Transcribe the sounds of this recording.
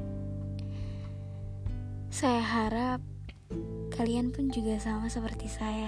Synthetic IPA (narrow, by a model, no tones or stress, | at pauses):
sajaɦaɾap̚ | kʰalianpʊnd͡ʒuɡasamasəpərt̪isaja